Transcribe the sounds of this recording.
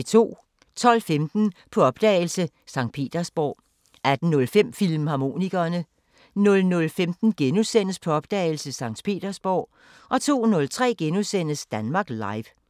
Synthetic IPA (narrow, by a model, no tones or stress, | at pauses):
t͡sʰo̝̰ː | t͡sʰɒ̽l̰femd̥n̩pʰɒ̽ɒ̽b̥̚d̥ɛ̰ːɪlsə | sɑ̈ŋ̰d̥̚pʰe̝̰ːd̥ɐsb̥ɒ̰ː | æd̥n̩nɔ̽lfem̰fil̰mhɑ̈mo̝̰ːniɡ̥ɐːnə | nɔ̽lnɔ̽lfemd̥n̩ɡ̥enusen̰əspʰɒ̽ɒ̽b̥d̥ɛ̰ːɪl̩səsɑ̈ŋ̰d̥pʰe̝̰ːd̥ɐsb̥ɒ̰ː | ʔɒ̽t͡sʰo̝̰ːnɔ̽lt͡sʰʁɛ̰ːɡ̥enusen̰əsd̥ænmɑ̈ːɡ̥lɑ̈ɪʋ